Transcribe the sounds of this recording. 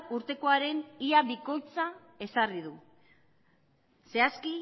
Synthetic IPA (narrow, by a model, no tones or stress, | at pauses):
uɾt̪e̞ko̞aɾe̞niaβiko̞jt͡sa | e̞sariðu | se̞aski